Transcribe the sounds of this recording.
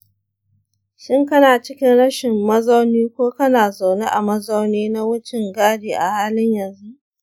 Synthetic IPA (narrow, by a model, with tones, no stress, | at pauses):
ʃɪ˦ŋkɐ˦naː˨t͡ʃɪ˦kʲɪ˦nɽɐ˦ʃɪ˨mːɐ˦zɐ˦wniː˦kʷoː˦kɐ˦naː˨za˨wne˦ʔa˨mɐ˦zɐ˦wneː˦na˦wʊ˦t͡ʃɪ˨ŋɡaː˦diː˨ʔa˨haː˦lɪ˦ɲjɐ˨nzu˦ʔ